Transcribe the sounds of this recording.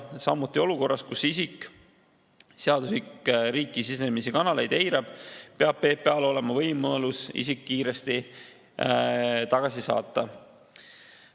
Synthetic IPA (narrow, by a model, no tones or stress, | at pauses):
sɑmut̪ˑːio̞luko̞rːɑskusisik | seɑd̪uslikɾiːkːˑisisemisikɑnɑle̞jd̪e̞jɾɑb̥peɑb̥̚pe̞ːpːeɑlo̞le̞mɑvɤjmolusḭsikːiːɾest̪i | t̪ɑɡ̥ɑsisɑ̰ːt̪ːˑɑ